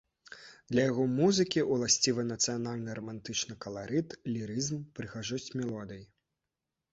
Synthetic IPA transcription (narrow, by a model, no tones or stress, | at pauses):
d̪̥lʲɐjaɣɔmuzɨkʲiʔulˠasʲt͡sʲivɨnɐt̪sɨjanalʲnɨɾɐmant̪ɨt͡ʂnɨkɐlˠaɾɨt̪lʲiɾɨzmpɾɨɣaʐɔsʲt͡sʲmʲɛlˠɔd̪ɨji